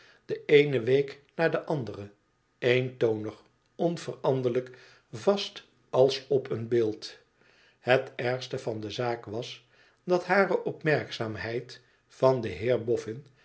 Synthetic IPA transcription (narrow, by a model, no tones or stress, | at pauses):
d̥əejnəʋejknaːɹdəʔɑndərə | ejntownəχ | ɔnvərɑndələk | vɑst | ɑlˠsɔpʰənbɪːlˠt | hətɛɹstəvɑndəzaːkʋɑs | dɑtɦaːrəʔɔpmɛɹksaːmɦɛjt | fɑndəɦɪːɹbɔfɪn